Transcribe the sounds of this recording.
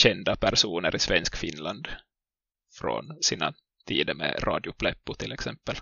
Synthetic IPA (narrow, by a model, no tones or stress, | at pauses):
ɕɛnd̪apʰæɾʂuːnəɾʔɪsvɛnskfɪnland̪ | fɾɔ̰nsiːna̰ | t̪ʰiːd̪əɾmɛ̰ɾʔɑ̰ːd̪ɪʊpʰlɛpːʊt̪ʰɪlɛksɛmpːəl